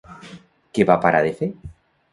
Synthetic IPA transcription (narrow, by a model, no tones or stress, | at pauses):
keβapaɾa̰ðefe